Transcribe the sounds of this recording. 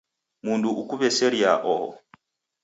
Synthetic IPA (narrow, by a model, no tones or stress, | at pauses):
munduʔːkuβɛsɛɾiaʔɔ̰